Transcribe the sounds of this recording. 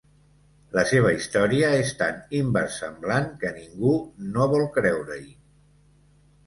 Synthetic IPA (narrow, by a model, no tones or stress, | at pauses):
ləseβ̞əist̪ɔɾiəest̪animbəɾsːəmblaŋkəniŋɡunoβɔlˠkɾɛwɾəi